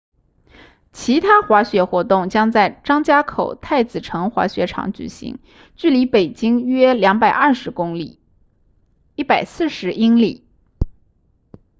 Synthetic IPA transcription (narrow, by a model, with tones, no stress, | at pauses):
t͡ɕʰi˧˥t̪ʰa˥xwa˧˥ɕɥɛ˧˥xwɔ˧˥t̪ʊ˥˩ŋt͡ɕjɑ˥ŋt͡sa˥˩ɪʈ͡ʂɑ˥ŋt͡ɕja˥kʰo̰˨˩ʊt̪ʰa˥˩ɪt͡sɹ̩˨˩ʈ͡ʂʰɤ˧˥ŋxwa̰˧˥ɕɥɛ˧˥ʈ͡ʂʰɑ̰˧˥ŋt͡ɕy̰˨˩ɕḭ˧˥ŋ | t͡ɕy˥˩li˧˥pe˨˩ɪt͡ɕi˥ŋɥɛ˥ljɑ˧˥ŋpa˨˩ɪʔɐ˥˩ʂɻ̩˧˥kʊ˥ŋli˨˩˦ | i˥˩pa˨˩ɪsɹ̩˥˩ʂɻ̩˧˥ʔi˥ŋlḭ˨˩˦